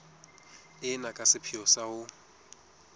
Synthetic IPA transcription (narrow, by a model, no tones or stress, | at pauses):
ɪnakʼasɪpʰiɔsaʊ